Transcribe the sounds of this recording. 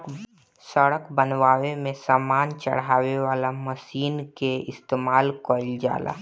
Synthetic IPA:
səɽəkbənʋaːʋemẽsaːmaːnt͡ʃə̰ɽaːweʋaːlaməsiːnkeɪst̪eːmaːlkəɾld͡ʒa̰ːla̰ː

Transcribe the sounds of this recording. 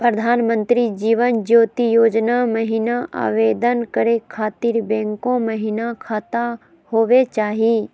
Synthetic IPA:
pɾəd̪ʱaːnmə̃nt̪ɾid͡ʒiːʋənd͡ʒoːt̪ijoːd͡ʒnaməɦinaʔa̰ːʋeːd̪ənkəɾekʰaːt̪iːɾbɛ̃ːŋkõməɦinakʰaːt̪a | hoːʋet͡ʃaːɦi

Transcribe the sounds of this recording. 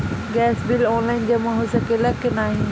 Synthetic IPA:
ɡɛːsbɪlɔːnlaːɪnd͡ʑeːmɐ̃ɦʊsəkelɐkɪnaːɦĩː

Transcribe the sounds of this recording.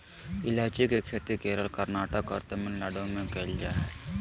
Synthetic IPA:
ɪlaːd͡ʒikekt͡ʃʰet̪ikeːɾəlkɐɾnaːʈəkːɐ̰ɾt̪emɪnlɐɖõmẽkɛld͡ʒaː

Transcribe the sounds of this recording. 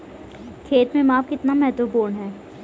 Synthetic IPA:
kʰeːt̪mẽmaːfkɪt̪namɛɦt̪wəpuːɾɳɦɛː

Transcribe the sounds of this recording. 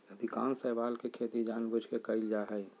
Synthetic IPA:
əd̪ika̰ːnsəbaːlkekʰet̪id͡ʒaːnbud͡ʒʱkekəɪld͡ʒaɦəj

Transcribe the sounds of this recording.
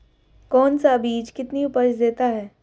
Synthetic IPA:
kɔːnsaɐbiːd͡ʒkɪt̪niʊpəɾʃd̪eːt̪aɦɛː

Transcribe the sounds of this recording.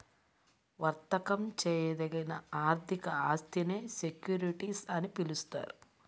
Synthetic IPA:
ʋɐɾt̪ɐkɐmt͡ʃɛːjɐd̪ɐɡɐnɐaːɾt̪ʰikɐaːst̪ʰineːsekjuːɾiʈiːsɐnipilust̪a̰ːɾu

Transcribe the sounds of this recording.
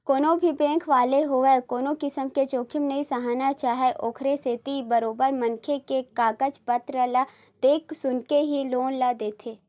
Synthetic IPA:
koːnõbʱipẽːŋkʰʋaːleɦoʋekoːnokɪsəmket͡ʃoːkʰɪmnɐisɐɦaːnat͡ʃaːɦeʔoːkʰɾeseːt̪ibəɾoːbəɾmɐ̃nkʰekekaːɡət͡ʃpət̪ɾəla | d̪̥eːksʊnkeɦiloːnlad̪eːt̪ʰeː

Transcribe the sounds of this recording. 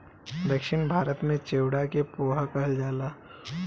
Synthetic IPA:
d̪əkʃɪnbʱaːɾət̪mẽt͡ʃeːwɽakepoːɦakɐɦld͡ʒaːlaː

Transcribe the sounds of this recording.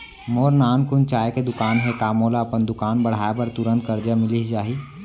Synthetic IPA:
moːɾnaːmkʊnt͡ʃaːeked̪ʊkaːnɦekaːmoːlaɐpənd̪ʊkaːnbɐɽ̤aːepɐɾt̪ʊɾə̃nt̪̚kəɾd͡ʒamɪliɦd͡ʒaːi

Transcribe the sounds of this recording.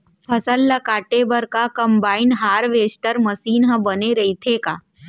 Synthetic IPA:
pʰɐsəlːɐkaːʈebəɾkakɐ̃mbaːɪnɦaːɾʋeːsʈəɾmɐsiːnɦə̃bɐneɾɐɦit̪ʰekaː

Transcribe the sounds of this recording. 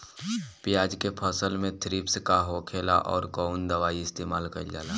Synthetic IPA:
pɪjaːd͡ʒkepʰəsəlmẽt̪ʰɾiːpskaɦokʰeːla̰ʔɔ̰ːɾkɔːʊnd̪əʋaːiɪst̪eːmaːlkɐ̰d͡ʒaːlaː

